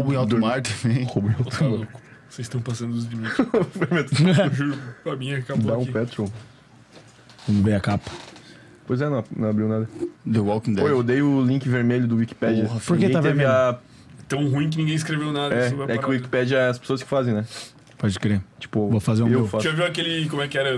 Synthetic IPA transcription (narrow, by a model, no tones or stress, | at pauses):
hobũj̃ad̪maɾt̪ɐ̃mẽj̃kobũj̃at̪mokʊ̥sezɪst̪w̃pasɐ̃nd̪ʊʊzd͡ʒimĩveɾmet̪ʒuɾpɐmĩɲɛkad̪aũpɛt̪ɾo | ñvejɐkapɐ̥ | pojzɛnɐ̃w̃nɐ̃w̃abɾiwnad̪ɐd̪ewɔlkĩd̪oewd̪ejʊʊlĩkɪveɾmeʎʊd̪ʊwiki̥pɛd͡ʒɐpoɾĩkeẽaevia | t̪ɐ̃w̃ɦũĩj̃k̬ɪnĩɡẽj̃is̬kɾevewnad̪ɛvaɛkɪʊwiki̥pɛd͡ʒɐɛɐspe̥soɐskɪ̥fazẽj̃nɛ | pɔd͡ʒɪkɾet͡ʃi̥pʊvofazeɾ̃ewwfaaviwakelɪkõmʊɛkɪɛɾɐ